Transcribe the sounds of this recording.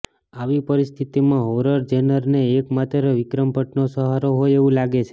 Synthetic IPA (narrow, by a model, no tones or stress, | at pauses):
aʋipəɾist̪ʰit̪imãɦoɾəɾd͡ʒɛnəɾneːkmat̪ɾəʋɪkɾəmpəʈnosəɦaɾoɦojeʋũlaɡet͡ʃʰe̥